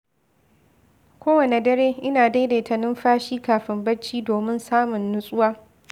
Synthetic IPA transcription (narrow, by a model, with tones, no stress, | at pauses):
kʷoː˦wɐ˨ne˨dɐ˦ɾeː˦ʔɪ˦naː˨da˦jdeː˨tʰɐ˨nɪ˦mɸaː˦ʃiː˦kaː˨ɸɪ˦mbɐ˦t͡ʃːiː˦doː˨mɪ˦nsaː˦mʊ˨nːʊ˦sʼʊ˦waː˦